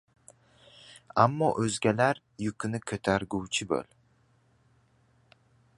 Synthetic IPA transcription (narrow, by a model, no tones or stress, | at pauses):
amːɒʔɵzɡʲalaɾ | jʊkʰʊnɪkʲʰɵt̪ʰaɾɡʲuwt͡ʃʰɪbɵ̰l